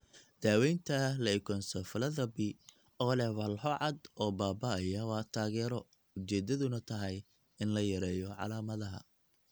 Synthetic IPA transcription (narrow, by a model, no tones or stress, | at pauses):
d̪̥aːwɛjnt̪ʰɐlɐɪkʰɔnsɔfɪlɐðɐbi | ɔːlɛwɐlħɔʕɑd̪ɔːbaːbɐɐjɐwɑːt̪ʰaːɣɛːɾɔ | ʊt͡ʃɛːd̪ɐðʊnɐt̪ʰɐɦɐj | ɪnlɐjɐɾɛːjɔʕɑ̰laːmɐðɐɦɐ̰